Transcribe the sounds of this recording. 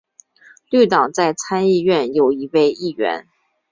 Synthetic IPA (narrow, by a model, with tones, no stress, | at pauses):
ly˥˩t̪ɑ˨˩ŋt͡sa˥˩ɪt͡sʰa˥ni˥˧ɥɛ˥˩njo˨˩ʊi˧˥pe˥˧ɪi˥˩ɥɛ̰˧˥n